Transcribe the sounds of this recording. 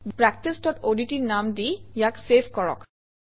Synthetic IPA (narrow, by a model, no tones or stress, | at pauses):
pɹɛk̚tistɔtoditiɹnamdijaksepʰkɔɹɔ̰k